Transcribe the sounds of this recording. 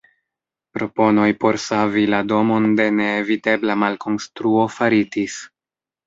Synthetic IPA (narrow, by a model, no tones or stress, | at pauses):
pɾo̞po̞no̞jpo̞ɾsavilado̞mo̞nde̞ne̞ːvite̞blamalko̞nstɾuo̞faɾitis